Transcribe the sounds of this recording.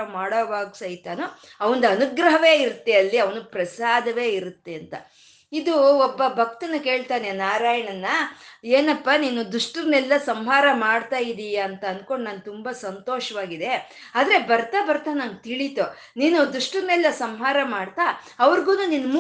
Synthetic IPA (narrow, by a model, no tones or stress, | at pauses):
ɐmaːɽɐːʋaːɡusɐjt̪aːnu | ɐʋɐnd̪ɐnuɡɾɐɦɐʋe̞ːiɾut̪ːeɐlːiɐʋɐnupɾɐsaːd̪ɐʋe̞ːiɾut̪ːeɐnt̪ɐ̰ | id̪uɔbːɐbʱɐk̚t̪ɐnːuke̞ːɭt̪aːnenaːɾaːjɐɳɐnːɐeːnɐpːaniːnud̪uʂʈud̪nɛlːɐsɐmɦaːɾɐmaːɽt̪aːjid̪ijɐnt̪ɐɐnko̞ɳɖnaːnt̪umbasɐnt̪oːʃɐʋaːɡid̪e̞ | aːd̪ɐɾe̞bɐɾt̪aːbɐɾt̪aːnaːnɡ̚t̪iɭit̪o | niːnud̪ɾuʂʈud̪nɛlːɐsɐmɦaːɾɐmaːɽt̪a | ɐʋɐɾɡuːnuninːɐm